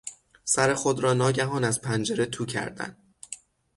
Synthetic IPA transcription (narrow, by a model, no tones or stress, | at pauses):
sæɾe̞xod̪ɾɒːnɒːɟæɦɒːnæzpʰænd͡ʒeɾe̞t̪ʰuːcʰæ̰ɾd̪æ̰n